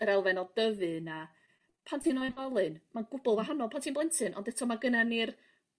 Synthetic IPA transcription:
əɾɛlˠvɛnɔdəvɨna | pʰantʰinɔɨnvalˠɨnmaɡʊbʊlˠvaɦanɔlˠpʰantʰiːnmblɛntʰɨnʔɔ̰ndɛtʰɔmaɡənanir

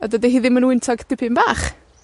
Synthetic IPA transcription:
a̰dədiɦiːðɪmənwɪntʰɔɡ̥tɪpʰɪmbaːχ

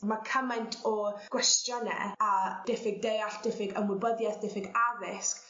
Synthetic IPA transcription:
makʰəmajntʰɔɡ̥wɛstjɔnɛ̰ad̥ɛfɪɡ̚dejaɬd̥ɛfɪɡə̰mwɪbəðjasd̥ɛfɪɡavɪsk

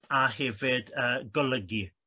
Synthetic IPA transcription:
aɦɛvɪdəːɡɔlˠəɡi

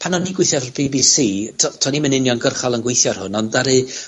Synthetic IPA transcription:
pʰanɔniɡwɪθjɛvrbibisiːtʰɔtʰɔnimənɪnjɔnɡərχalˠənɡwejθjɔr̥hʊnɔndaɾɨ

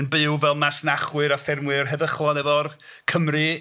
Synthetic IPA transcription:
nbɨwvɛlˠmasnaχwɨɾɔfɪrmwɨrɦɛðəχlˠɔnɛvɔr | kʰəmrɨ

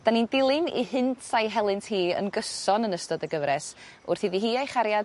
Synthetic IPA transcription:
d̥anindɪlˠɪnḭhɨntʰsajɦɛlˠɨntʰhiːə̰nɡəsɔnənəstɔdəɡəvɾɛs | ʊ̰rθiðiɦiːajχaɾjad

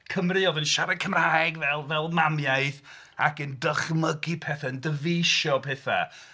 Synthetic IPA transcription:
kʰəmrɨɔðɨnʃaɾad̚kʰəmrajɡvɛlˠvɛlˠmamjajθ | a̰kəndəχməɡipʰɛθaəndəveʃɔpʰɛθa̰

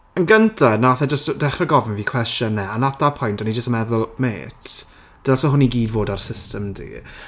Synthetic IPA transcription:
ənɡəntʰanaaθɛd͡ʒəstd̥ɛχrəɡɔvɪnviːkʰw̥ɛstjɔnːɛanatapʰʊjntʰɔnid͡ʒəstmɛðʊlˠmḛːtʰ | d̥əlˠsɔɦʊniɡiːdvoːdarsɪstəmdḭː

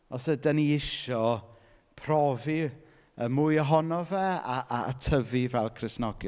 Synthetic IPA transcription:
ɔsədəniɪʃɔ | pʰrɔvi | əmʊjɔɦɔnɔvɛaʔaa̰tʰəvivɛlˠkʰrɪsnɔɡɪ

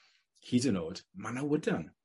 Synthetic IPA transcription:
kʰiːdənoːd̥manawʊdan

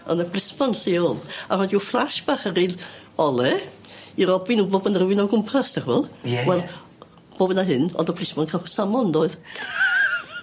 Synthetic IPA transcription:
ɔnəblˠɪsmɔnɬeːɔlˠarɔdiuflˠaʃb̥aːχəriːl | ɔlˠɛ | iɾɔbinuːbobənərəwɪnɔɡʊmpʰastɛrvɔlˠwɛlˠ | b̥oːbənaɦɨnɔ̰ndəblˠɪsmɔnkʰasamɔndoːɨð

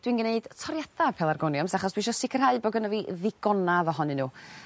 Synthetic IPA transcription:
d̥winɡneɨd̥tʰɔɾjadapʰɛːlˠarɡɔnjɔmsaχɔsd̥wiʃ̬ɔsɪkʰərhaɨbɔɡənəviðɪɡ̥ɔnavɔɦɔnɨnuː

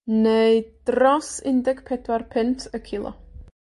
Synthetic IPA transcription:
neɨd̥rɔsɪndɛɡpʰɛdwarpʰɪntʰəkʰɪlˠɔ̰

